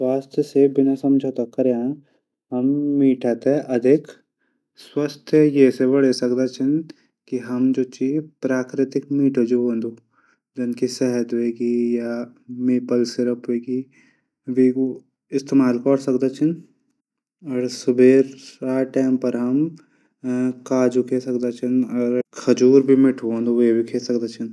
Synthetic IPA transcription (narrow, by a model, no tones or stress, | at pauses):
sʋaːst̪ʰjəsebɪnasɐmd͡ʒʱat̪akːɐɾjã | ɦɐmːiːʈʰat̪eʔɐd̪ʱɪk | swast̪ʰjəjesebɐɽ̤esɐkd̪at͡ʃʰɪn | kiɦɐmd͡ʒoːt͡ʃiːpɾaːkɾɪt̪ɪkmiːʈʰod͡ʒoõːnd̪uː | d͡ʒɐnkisɛɦət̪ɦoeːɡijamepəlsɪɾəpɦoeːɡi | ʋiːko | ɪst̪eːmaːlkɔːɾsɐkd̪at͡ʃʰɪn | ɔːɾsʊbʱeːɾaːʈaːmpɐɾɦɐm | kaːd͡ʒukʰesɐkd̪at͡ʃʰənɔːɾkʰɐd͡ʒuːɾbʱimɪʈʰuõːnd̪uʋebʱikʰeːsɐk̚d̪at͡ʃʰɪn